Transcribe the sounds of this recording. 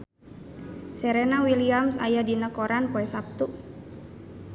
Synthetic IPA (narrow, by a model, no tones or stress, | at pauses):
sɛɾɛnawiliamsa̰jadinəkoɾanpoɛsap̚t̪u